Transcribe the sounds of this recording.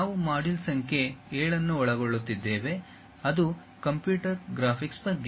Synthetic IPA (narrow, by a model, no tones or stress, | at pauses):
aːʋumaːɖilsɐŋkʰe̞ːɭɐnːuɔɭɐɡoɭːut̪ːid̪ːeːʋe̞ | ɐd̪u | kɐmpjuːʈɐɾɡɾaːpʰiksbɐɡːe